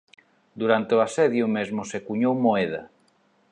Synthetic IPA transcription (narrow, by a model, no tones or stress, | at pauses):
d̪uɾant̪ɪoasɛðjʊmezmʊsekuɲowmoɛð̞a̰